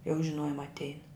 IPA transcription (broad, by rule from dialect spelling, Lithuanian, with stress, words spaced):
jɛʊ ʒʲɪˈnoːjʊm ɐtʲˈɛɪn